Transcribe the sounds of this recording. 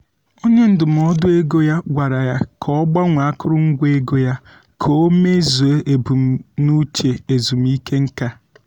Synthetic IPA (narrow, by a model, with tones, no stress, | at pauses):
o˦ɲe˦n̩˦dʊ˨m̩˨ɔ˦dʊ˦e˦ɡo˦ja˦ɡʷa˨ɾa˨ja˦kʰɔ˦ɡ͡ba˦ŋʷa˨a˦kʊ˦ɾʊ˦ŋ̩˦ɡʷe˦ɡo˦ja˦ | kʰo˦me˦zu˨e˦ʔe˨bu˨m̩˨nu˦t͡ʃe˨e˨zu˨m̩˨i˦ke˦ŋ̩˦ka˦